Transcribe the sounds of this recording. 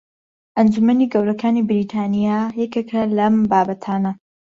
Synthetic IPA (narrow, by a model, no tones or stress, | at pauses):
ʔɐnd͡ʒumɐniːɡɐwɾɐkʰaːnibɪɾiːt̪ʰaːnijaːjɛkekɐlɐmbaːbɐt̪ʰaːnɐ